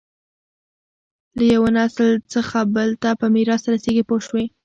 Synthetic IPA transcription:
lajawanaslt͡səxabəlt̪apəmiɾɑst̪aɾaseɡipoʃwe

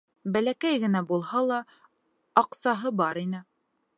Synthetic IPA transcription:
bælækæjɡɘ̆næbulˠhɑlˠɑː | qsɑɦɤbɑɾinɘ

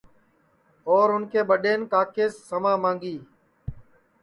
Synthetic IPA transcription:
oːɾʊnkeːɓəɗeːnkaːkeːsːəmãːmãːŋɡiː

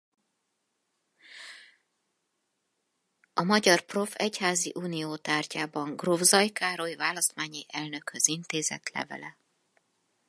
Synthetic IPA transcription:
ɒmɒɟɒrpro̞fɛchaːziʔuːnijoːt̪aːrcaːbɒŋɡrovzɒjkaːɾo̞jivaːlɒst̪maːɲiʔɛlnø̞khøzint̪eːzɛ̰t̪lɛ̰vɛ̰lɛ

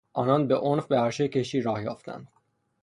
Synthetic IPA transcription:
ʔɒːnɒːnbe̞ʔonfbeæɾʃecʰe̞ʃiːɾɒːhjɒːft̪ʰæ̰nd̪̥

